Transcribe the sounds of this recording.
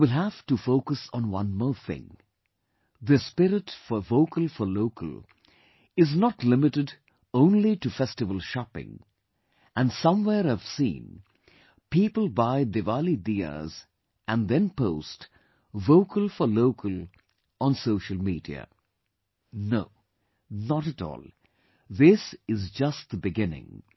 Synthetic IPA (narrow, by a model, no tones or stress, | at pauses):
wɪlˠɦæv̥tufoʊkəsn̩wʌ̰̃nmɔːɹθɪ̰̃ŋ | ðɨspɪɾɪtfɔvoʊkʰəlˠfɔloʊkʰə̰lˠ | ɪznətlɪmɨtɨd | õʊ̃nlitɨfɛstɨvəl̩ˠʃɑpɪ̰̃ŋ | ɨ̃nsʌ̃mwɛːɾɨv̥sḭ̃n | pipəl̩ˠbaɪd̪evalid̪iə̰z | ʔɨ̃nðɛ̃npoʊst | voʊkʰəlˠfɔ˞loʊkʰəlˠ | ʔə̃nsoʊʃəl̩ˠmiːdḭə̰ | noʊ | nəɾɨtɔ̰ːlˠ | ðɪsɪzd͡ʒʌst̚ðəbɨɡɪ̃nɪ̰̃ŋ